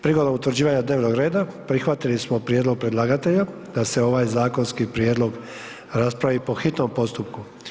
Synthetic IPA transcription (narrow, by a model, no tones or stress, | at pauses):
pɾiɡod̪nomut̪ʋɾd͡ʑiːʋaɲad̪neːʋno̞ɡɾe̞ːd̪apɾixʋat̪ilismo̞pɾijed̪lˠo̞ɡ̚pɾed̪lˠaːɡat̪e̞ʎa | d̪̥ase̞o̞ʋaːjzaːko̞nskipɾjed̪lo̞ɡ | ɾaspɾaʋipo̞xit̪no̞mpo̞st̪up̚ku